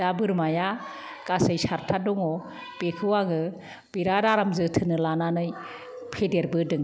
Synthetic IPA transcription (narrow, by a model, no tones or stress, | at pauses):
abɯɾmaja | kasɯjsaɾtʰadɔŋɔ | pekʰɯwaɡɯ | b̥iɾadaɾamzɯtʰɯnɯlananɯj | pʰedeɾbɯdɯŋ